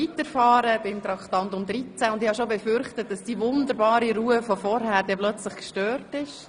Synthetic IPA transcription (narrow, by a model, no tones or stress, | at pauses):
itəɾfɑːɾəb̥ɪmt̪ɾɑktɑntʊmd̪ɾit͡sæʊndɪhɑʃobɛfʏɾχtət̚d̥ɑsd̥iʋʊndəɾbɑːɾiɾuəfɔfɔɾhæːɾdɛplœt͡sləχkʃtøːrtɪʃ